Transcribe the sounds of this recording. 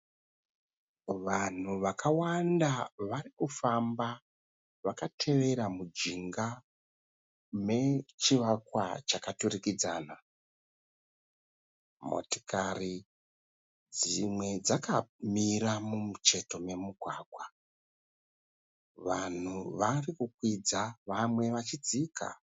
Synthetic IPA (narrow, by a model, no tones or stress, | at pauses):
ʋan̤uʋakʰawandaʋaɾikufamba | ʋakatʰe̞ʋe̞ɾamud͡ʒiŋɡa | me̞t͡ʃiʋakwa̰t͡ʃakaturikid͡zaːna | mo̞̰ti̥kari | d͡zimwe̞d͡zakamiramumut͡ʃe̞to̞me̞muɡʱwaːkwa | ʋan̤uʋarikukwid͡zaʋamwe̞ʋat͡ʃid͡zika̰